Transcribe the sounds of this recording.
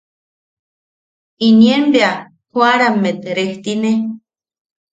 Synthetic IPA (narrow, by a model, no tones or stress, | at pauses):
inienbea | hwaɾamːet̪ɾeht̪ine